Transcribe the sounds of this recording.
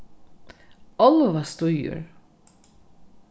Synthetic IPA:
ɔlˠvast̪ʊjʊ̰ɾ

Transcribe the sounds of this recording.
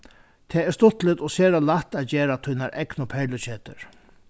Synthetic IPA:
t̪ʰɛːɛɾst̪ʊt̪lɪt̪ɔseːɾalaht̪aːt̪d͡ʑeːɾat̪ʰʊjnaɾʔɛknʊpʰɛɹlʊt͡ɕʰeːt̪ə̰ɹ

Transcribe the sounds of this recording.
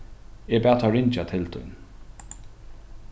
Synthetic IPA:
ebæːt̪ʰaɹɪnt͡ʃat̪ʰɪlt̪ʰʊ̰n

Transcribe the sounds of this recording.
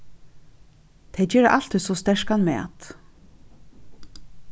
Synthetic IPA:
t̪ʰejt͡ʃɛːɾəʔal̥t̪ʰʏsɔst̪ɛʂkanmɛ̰a̰t̪

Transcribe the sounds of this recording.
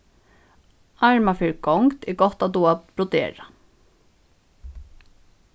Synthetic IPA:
aɹmafɪɹɡɔŋkt̪ɛɡɔht̪at̪uapɾɔd̪ɛ̰ːɹa

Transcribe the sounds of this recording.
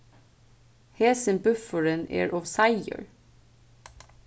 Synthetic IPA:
heːsənbʉfəɹənʔḛːɹʔɔʋsɑɪə̰ɹ

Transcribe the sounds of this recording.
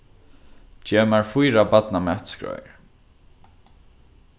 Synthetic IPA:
t͡ʃɛːmaɹfujɾabat̪namɛt̪skɹɔ̰jɹ

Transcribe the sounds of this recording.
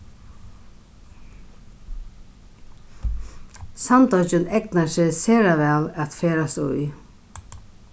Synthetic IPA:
sant̪ɔt͡ʃɪnɛknasɪseːɾaʋɛːlat̪feːɾasʊ̰j

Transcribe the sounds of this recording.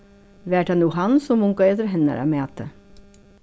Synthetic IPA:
ʋæːʈhɑnuːɦɑnsɔmʊŋkɑet̪əɾɦɛnə̰ɾɑ̰meɑt̪ʰːə̰

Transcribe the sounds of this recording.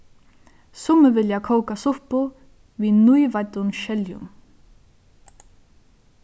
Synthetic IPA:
sʊməʋɪljakʰowkasʊpʊ | ʋiːnujvat̪ʊnʃɛljʊ̰m

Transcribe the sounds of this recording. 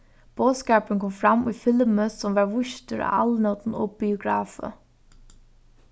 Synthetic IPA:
b̥oːskaːpənkʰɔmfɾamujfɪlməsɔmʋɑɹʋʊʃt̪əɾa̰alnɔt̪n̩ɔ̰b̥ɪʊɡɾaːfə̰

